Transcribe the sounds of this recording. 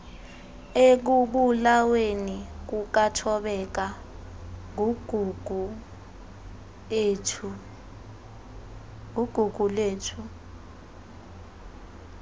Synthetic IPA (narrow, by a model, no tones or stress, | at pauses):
ek̬uɓulawenik̬uk̬atʰɔɓɛk̬a | ŋʱɡ̥ʱu | eːtʰu | ŋuɡ̥ʱuɡ̥ʱuleːtʰu